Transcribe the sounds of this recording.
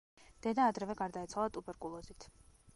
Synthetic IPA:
d̪̥ɛd̪aːd̪ɾɛvɛɡaɾd̪ait̪sʰwalˠat̪ʼubɛɾkʼulˠɔzit̪ʰ

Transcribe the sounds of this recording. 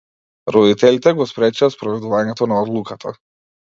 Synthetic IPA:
ɾɔd̪it̪ɛlit̪ɛɡɔspɾɛt͡ʃaspɾɔvɛd̪uvaɲɛt̪ɔnaɔd̪lˠukat̪ʰa

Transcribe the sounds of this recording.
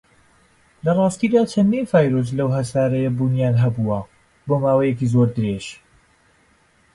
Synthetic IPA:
lɐrˤɑːst̪iːd̪aːt͡ʃʰɐnd̪infaːjɾos̬lɐwɦɐsaːɾɐjɐbuːnjaːnɦɐbuwɐ | boːmaːwɐjekiːzoɾd̪ɨɾeʃ

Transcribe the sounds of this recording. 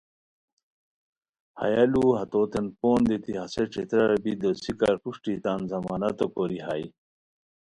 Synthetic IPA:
hɐ̰jaluɦɐt̪oːt̪enpoːnd̪et̪ihɐseʈ͡ʂet̪ɾɐɾɐbid̪osikɐɾpuʂʈit̪aːnzɐmaːnɐt̪okoɾiɦaj

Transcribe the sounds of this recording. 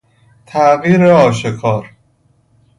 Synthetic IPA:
t̪ʰæviːɾeɒːʃekʰɒːɾ

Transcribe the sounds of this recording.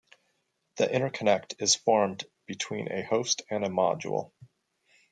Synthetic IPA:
ðiʔɪ̃ɾ̃ə˞kʰənɛk̚tʰɨz̥fɔɹm | b̥ɨtʰw̥ḭ̃nʔɨ̰hoʊstɨ̃nɨmɑ̰d͡ʒṵl̩ˠ

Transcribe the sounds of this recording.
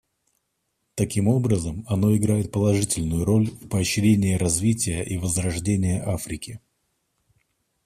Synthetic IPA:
t̪ɐkʲimo̞bɾəzəmɐno̞ɪɡɾajɪt̪̚pəlˠɐʐɨtʲɪlʲnʊjʊɾo̞lʲvpəːɕɾʲenʲɪɪɾɐzvʲitʲɪjəʔivəzrɐʐdʲenʲɪjəʔafɾʲɪkʲɪ

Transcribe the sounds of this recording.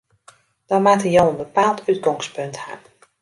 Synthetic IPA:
d̥ɔnmatəjoənbəpaːlˠtyt̚ɡɔŋspɵntha̰

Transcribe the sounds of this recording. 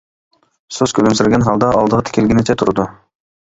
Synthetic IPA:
sozkʲʰølɵmseɾɡenɦɑlˠd̪ɑɑlˠd̪əʁɤt̪ʰi̥kʲelɡʲinet͡ʃʰet̪ʰuɾd̪ʊ

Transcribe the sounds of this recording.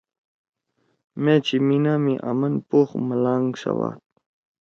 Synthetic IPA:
mẽt͡ɕiminaːmiʔamɐnpoːxməlaːŋɡsa̰wa̰ːt̪̚

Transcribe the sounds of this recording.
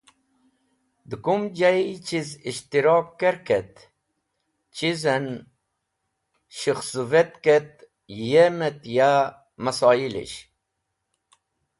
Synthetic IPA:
d̪ɨkumd͡ʑait͡ɕiziɕt̪iɾoːp̚keɾket̪ | t͡ɕizen | ɕixsuvet̪ket̪̚ | jemet̪ja | mɐsɑːilḭɕ

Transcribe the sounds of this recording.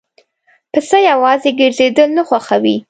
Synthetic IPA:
pəsəjawɑzeɡɪɾzed̪əlnaxwaxawi

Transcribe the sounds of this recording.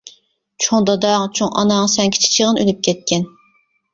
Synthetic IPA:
t͡ʃʰoŋd̪ɑd̪ɑːŋt͡ʃʰoŋʔɑ̰nɑːŋsɛŋkʲʰi̥t͡ʃʰi̥t͡ʃʰiʁənølyp̚kʲʰɛt̪̚kʲɛn

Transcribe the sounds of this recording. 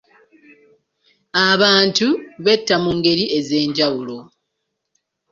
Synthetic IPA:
aβaːntuβe̞tːamuŋɡe̞ɾie̞ze̞ːɲɟawulo̞

